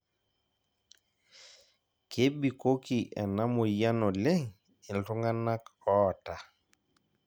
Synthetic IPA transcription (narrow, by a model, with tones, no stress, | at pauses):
kʰe˦ɓi˨ko˦ki˨ʔɛ̰˨na˦mo˨ja˦nɔ˨le˦ŋ | i˨nɬu˦ŋɡa˦na˦kɔː˦˨ta˨